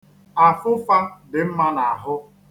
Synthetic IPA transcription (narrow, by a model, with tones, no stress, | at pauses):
a˨fʊ˦fa˦dɪ˨m̩˦ma˦na˨a˨ɦʊ˦